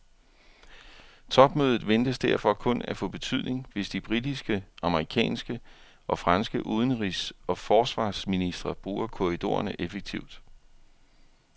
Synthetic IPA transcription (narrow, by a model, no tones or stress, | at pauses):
t͡sʰɒ̽b̥møːð̞ˠð̩ˠʋend̥əsd̥æɐ̰fɒ̽kʰɔ̽næfɔ̰̽ːb̥e̝t͡sʰyðˠne̝ŋʋe̝sd̥ib̥ʁid̥isɡ̥əʔɑ̈məʁikʰɛ̰ːnsɡ̥ə | ʔɒ̽fʁɑ̈nsɡ̥əʔuːð̞ˠn̩ʁisɒ̽fɒːsʋɑ̰̈ːsminisd̥ʁɐb̥ʁuːɐkʰo̝ʁid̥o̝̰ːɐnəʔefeɡ̥̚t͡sʰiʊ̰d̥